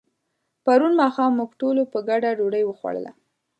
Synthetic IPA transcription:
paɾunmɑxɑmːuɡʈolopəɡaɖaɖoɽəjwəxwa̰ɽə̰la̰

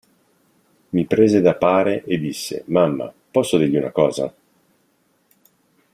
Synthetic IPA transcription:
mipɾeːzed̪apaːɾeʔed̪ːisːḛmamːa̰ | pɔsːod̪iːlʎːiunakɔːza̰

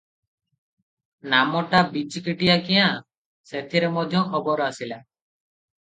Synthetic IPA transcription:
namɔʈabit͡ʃkiʈijakijã | set̪ʰiɾemɔd̪ʱjɔɔbɔɾɔasila

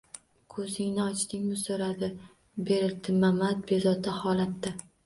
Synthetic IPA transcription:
kʰɵzɪŋnɪɒt͡ʃt̪ɪŋʲmɪsoɾad̪ɪ | be̞ɾɪlt̪ʰɪmamat̪̚be̞zɒt̪ʰahɒlat̪ːɪ

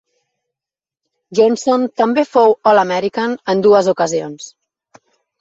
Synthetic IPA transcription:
ʒonsont̪əmbefowɔləmɛɾikanənd̪uəzukəzions

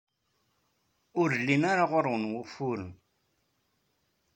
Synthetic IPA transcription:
ʊɾlːinaɾaʁʊɾˤwənwʊfʊɾən

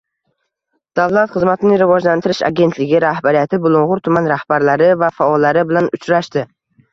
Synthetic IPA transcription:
d̪̥avlˠat̪χɨzmat̪ʰɪnɪŋɾɪvɒd͡ʒlant̪ʰɪɾɪʃa̰ɡʲe̞nt̪ʰlɪɡʲɪɾahbaɾijat̪ʰɪbʊlˠʊɴʁʊɾt̪ʰʊmanɾahb̥aɾlaɾɪvafaɒlːaɾɪbɪlanʊt͡ʃɾaʃt̪ɪ

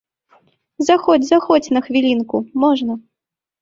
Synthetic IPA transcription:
zaxɔd͡zʲzaxɔt͡sʲnɐxvʲilʲinkumɔʐnɐ

